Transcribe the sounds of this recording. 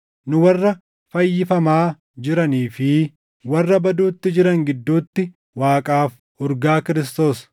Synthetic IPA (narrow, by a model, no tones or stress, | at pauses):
nʊwɐrːɐ | fɐjːɪfɐmaː | d͡ʒɪɾɐniːfɪ | wɐrːɐbɐd̪uːt̪ːɪd͡ʒɪɾɐŋɡɪd̪ːuːt̪ːɪ | waːkʼaːf | ʊɾɡaːkɪɾɪs̬t̪o̞ːs